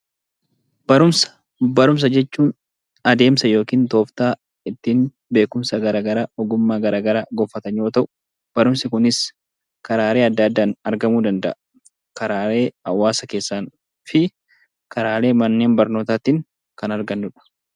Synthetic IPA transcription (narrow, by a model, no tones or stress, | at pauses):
b̥ɐɾʊmsɐ̥ | bɐɾʊms̬ɐd͡ʒɛt͡ʃːuːn | ɐd̪e̞ːmsɐjo̞ːkiːnt̪o̞ːft̪aː | ɪt̪ːiːn | be̞ːkʊmsɐɡɐɾaːɡɐɾaːɔɡʊmːaːɡɐɾaːɡɐɾaːɡɔfːɐt̪ɐɲjoːt̪ɐʔʊ̥ | b̥ɐɾʊmsɪkʊnɪs | kɐɾaːɾeːɐd̪ːɐːɐd̪ːaːnɐɾɡɐmuːd̪ɐnd̪ɐ̰ʔɐ | kɐɾaːɾe̞ːɐ̰wːaːsɐke̞ːsːaːn | fɪ | kɐɾaːle̞ːmɐnːe̞ːnbɐɾno̞ːt̪aːt̪ɪːŋ | kɐnɐɾɡɐnːʊᶑɐ̥